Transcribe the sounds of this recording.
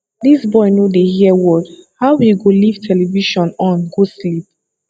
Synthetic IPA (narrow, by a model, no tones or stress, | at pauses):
disbɔɪnjodeɦiwɔdhaʊwiɡoliv̥tʰɛlɛviʃɔ̃nɔ̃nɡoslip̚